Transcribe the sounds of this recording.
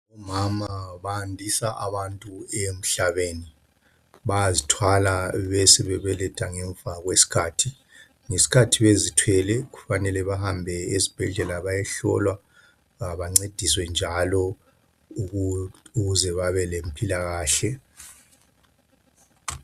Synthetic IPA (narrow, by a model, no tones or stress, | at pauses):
ɔmamaβaːndʱisaʔaβantʼuem̩ɬaβeːni | βajazitʰwalaβɛsɛβɛβɛlɛtʰʼaŋɛɱvaɣwesi̥kʰaːtʰi | ŋesi̥kʰatʰiβezitʰwɛlɛɣufanɛlɛβahambʱɛezib̥ʱɛɮɛlaβajɛɬɔ̰lwa | aβaŋ͡ǀed̥ʱiswɛnd͡ʒʱalɔ | uɣuzɛβaβɛlempʰʼilaɣaːɬɛ